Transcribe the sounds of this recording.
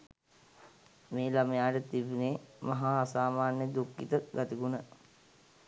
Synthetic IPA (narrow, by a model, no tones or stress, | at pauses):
meːlaməjaːʈət̪ibineːmaɦasaːmaːnjəd̪ukːit̪əɡat̪iɡunə